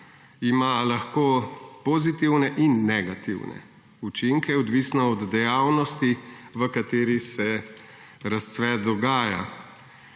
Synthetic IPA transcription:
imalaxkoːpozit̪iwnɛʔinːɛɡat̪ḭwnɛ̰ | ut͡ʃiŋkɛɔd̪ʋisnɔɔd̪ːɛjawnɔst̪iʋəkat̪eːɾisɛ | ɾast̪sʋɛt̪̚d̪ɔɡaːja̰

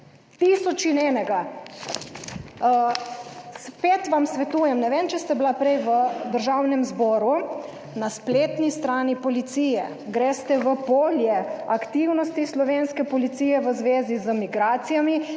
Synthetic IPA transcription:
t̪isɔt͡ʃinɛːnɛɡa | speːt̪ʋamsʋɛt̪uːjɛmnɛʋeːnt͡ʃɛst̪ɛbilapɾɛjʋəd̪əɾʒawnɛmzbɔːɾu | naspleːt̪nist̪ɾaːnipɔlit̪siːjɛ̰ | ɡɾeːst̪ɛʋəpoːljɛakt̪iwnɔst̪islɔʋenskɛpɔlit̪siːjɛʋəzʋeːzizəmiɡɾaːt̪sijami

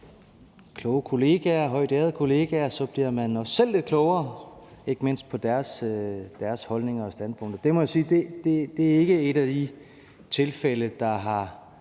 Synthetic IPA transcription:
kʰlɔʊkʰo̝le̝ːɡ̥æɐɦɒ̽ɪ̰d̥ɛːð̩ˠkʰo̝le̝ːɡ̥æɐsɒ̽b̥liɐ̰mænɒ̽sːel̰lːe̝d̥̚kʰlɔʊɐ | e̝ɡ̥əme̝n̰sd̥̚pʰɒ̽d̥æɐsd̥æɐshɒ̽lne̝ŋɐɒ̽sd̥ænspʰɔ̽ŋ̰d̥ɐd̥e̝mɒ̽jasiːd̥ed̥e̝d̥e̝æɐe̝ɡ̥əe̝ɾæd̥i | t͡sʰe̝lfeləd̥ɑ̈ɦɑ̈

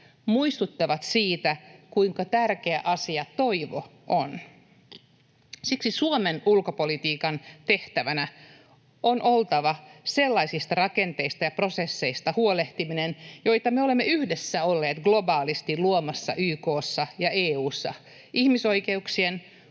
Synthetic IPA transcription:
muist̪ut̪ːɑʋɑt̪siːt̪ækuiŋkɑt̪ærkeæʔɑsiɑt̪oiʋo̰ | ʔon | siksisuomenulkopolit̪iːkɑnt̪eht̪æʋænæ | ʔonʔolt̪ɑʋɑselːɑisist̪ɑrɑkent̪e̞ist̪ɑjɑprosesːeist̪ɑhuoleht̪iminenjo̞ijt̪ɑmeolemːeyhdesːæolːeːt̪ɡlobɑːlist̪illuomɑsːɑ̰ʔyːkoːsːɑjɑeːuːsːɑ̰ | ʔihmiso̞ikeuksien

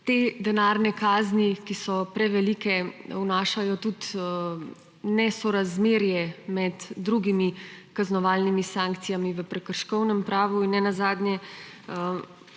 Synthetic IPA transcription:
t̪eːd̪ɛnaːɾnɛkaːznikisɔpɾɛʋɛliːkɛwnaːʃajɔt̪ut̪ | nɛsɔɾazmeːɾjɛmɛd̪ːɾuɡimikaznɔʋaːlnimisãːŋkt̪sijamiʋəpɾɛkəɾʃkɔwnɛmpɾaːʋuinːɛnazaːd̪nʲɛ

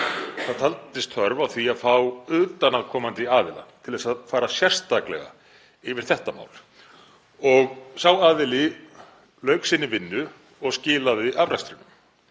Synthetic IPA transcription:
θaðt̪ʰalt̪ɪst̪ʰœɾvawθiaðfawʏːt̪anaðkʰɔːmant̪ɪaːðɪla̰t̪ʰɪlðɛsaðfaːɾasjɛr̥st̪aklɛ̰ɣa̰ | ɪvɪɾ̥θɛht̪ama̰ːwl̥ | ɔɣsaːwaːðɪlɪ | lœːɥksɪnːɪvɪnːʏ | ɔɣscɪːlaðɪavɾast̪ɾɪnʏm

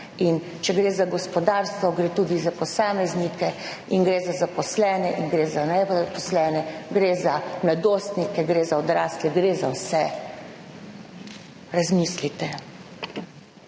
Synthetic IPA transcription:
in | t͡ʃɛɡɾeːzaɡɔspɔd̪aːɾst̪ʋɔɡɾeːt̪uːd̪izapɔsaːmɛznikɛ | iŋɡɾeːzazapɔslɛːnɛʔiŋɡɾeːzanɛpzapɔslɛːnɛɡɾeːzamlad̪oːst̪nikɛɡɾeːzaɔd̪ɾaːslɛɡɾeːzawsɛ | ɾazmiːslit̪ɛ

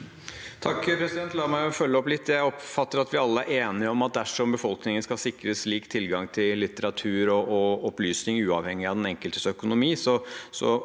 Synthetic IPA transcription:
t̪ʰɑkːpʰɾɛsɪd̪ɛnt̪lɑːmæɪɔfœlːəɔplɪt̪ːjæɪɔpfɑt̪ːəɾɑt̪ʋɪɑlːəæɾeːnɪɔmɑt̪̚d̪æʂɔmbəfɔlknɪŋənskɑsɪkɾəsɭiːkt̪ʰɪlɡɑŋt̪ʰɪllɪt̪ːəɾɑt̪ʰʉːɾɔʔɔɔplyːsnɪŋʉːɑ̰ʋhɛŋːɪɑʋd̪ɛnɛŋkəlt̪əsœkʊnʊmiːsɔsɔ̰

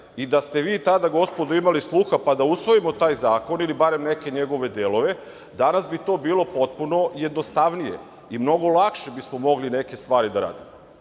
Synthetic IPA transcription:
id̪ast̪e̞ʋiːt̪ad̪aɡo̞spod̪uimalislˠuxapad̪ausʋo̞imo̞t̪aːjzaːko̞nilibaɾe̞mne̞ke̞ɲe̞ɡo̞ʋe̞d̪eːlˠo̞ʋe̞ | d̪anasbit̪o̞ːbiːlo̞po̞t̪̚puno̞je̞d̪nost̪aʋnije̞̰ | imno̞ɡo̞lˠakʃe̞bismomo̞ɡline̞ke̞st̪ʋaːɾid̪aɾa̰ːd̪imo

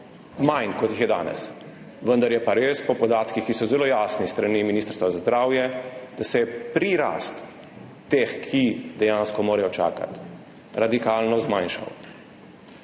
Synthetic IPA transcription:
majnkɔt̪jixjɛd̪a̰ːnɛ̰s | ʋənd̪aɾjɛpaɾeːspɔpɔd̪aːt̪kixkisɔzɛloːjaːsnist̪ɾaniminist̪əɾst̪ʋazazd̪ɾaːwjɛd̪̥asɛɛpɾiɾa̰ːst̪ː | exkʰid̪ɛjanskɔmoːɾɛjɔt͡ʃa̰ːka̰t̪ | ɾad̪ikaːlnɔzmajnʃa̰w

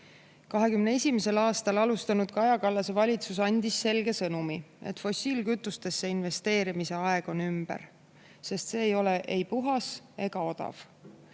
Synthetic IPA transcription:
kɑɦe̞kymneesʲimese̞lɑːst̪ɑlɑlust̪ɑnud̪̥̚kɑɑjɑkɑlːɑsevɑlʲit̪sus̬ɑnʲd̪̥isːe̞lɡe̞sɤnumie̞̰t̪fo̞sʲiːlkyt̪ːˑust̪e̞sːeinve̞st̪e̞ːɾimise̞ɑe̞ɡ̥o̞nymb̥ḛr | se̞st̪se̞ːjo̞le̞ʔe̞jpuɦɑse̞ɡ̥ɑo̞d̪̥ɑ̰v̥

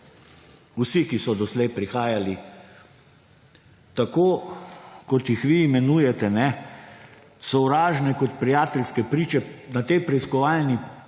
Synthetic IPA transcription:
usikisɔd̪ɔslɛjpɾixaːjali | t̪akoː | kɔt̪jixʋiːmɛnuːjɛt̪ɛnɛ | sɔɾaːʒnɛkɔt̪pɾijaːt̪ɛlskɛpɾiːt͡ʃɛnat̪ɛjpɾɛiskɔʋaːlni

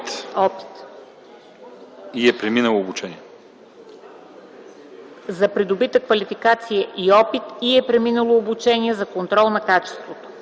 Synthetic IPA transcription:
ɔpi̥t̪ | iɛpɾɛminəlˠoːbut͡ʃɛnʲiɛ | zɐpɾid̪ʊbit̪əkvɐlifikat̪siəʔiɔpit̪iɛpɾɛminəlˠoːbut͡ʃɛniɛzɐkont̪ɾɔlˠnɐkat͡ʃɛ̥st̪vot̪o̥

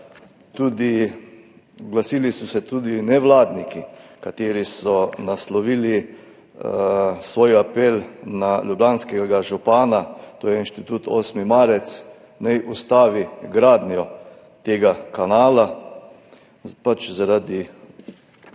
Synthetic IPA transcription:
t̪uːd̪i | ɡlasiːlisɔsɛt̪uːd̪inɛʋlaːd̪nikikat̪eːɾisɔnaslɔʋiːli | sʋoːjapelnalʲjublaːnskɛɡaʒupaːnat̪oːjɛinʃt̪it̪uːt̪o̰ːsmimaːɾɛt̪s | najʔust̪aːʋiɡɾaːd̪njɔ | t̪eːɡakanaːla | pat͡ʃzaɾad̪i

